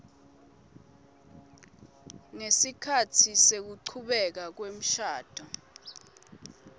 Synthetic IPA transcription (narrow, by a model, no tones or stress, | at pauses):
ŋesikʰatʰisek̬uǀʰuɓɛk̬ak̬wem̩ʃaːd̥ʱɔ